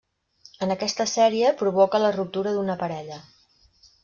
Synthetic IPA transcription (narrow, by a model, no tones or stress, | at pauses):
ənəkɛst̪əsɛɾiəpɾuβɔkələrup̚t̪uɾəðunəpəɾɛʎə